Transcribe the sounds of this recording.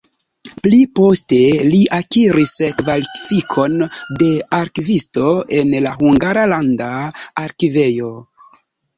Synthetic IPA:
plipo̞ste̞liʔakiɾiskvalifikʰo̞nde̞aɾkivisto̞e̞nlahuŋɡaɾalandaːɾkive̞jo̞

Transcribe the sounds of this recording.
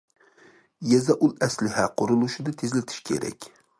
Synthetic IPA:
jɛzɛʔulˠɛslɪɦɛqʰʊɾulˠuʃɪd̪ɪt̪ʰezlɪt̪ʰɪ̥ʃkʲʰḛɾɛ̰kʲ

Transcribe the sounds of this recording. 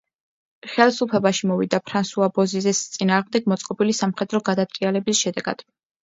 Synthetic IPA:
χɛlˠsupʰɛbaʃimɔvid̪apʰɾansuabɔzizɛst̪sʼinaːʁmd̪ɛɡ̚mɔt̪sʼqʼɔbilisamχɛd̪ɾɔɡad̪at̪kʼialɛbisʃɛd̪ɛɡa̰d̪̥

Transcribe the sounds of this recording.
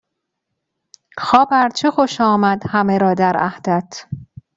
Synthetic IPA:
xɒːbæɾt͡ʃʰexoʃɒːmæd̪hæmeɾɒːd̪æɾæ̰hd̪̥æt̪ʰ

